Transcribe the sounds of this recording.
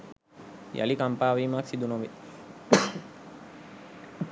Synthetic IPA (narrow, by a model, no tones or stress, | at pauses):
jɐ̰likɐmpaːʋimaksid̪unoʋi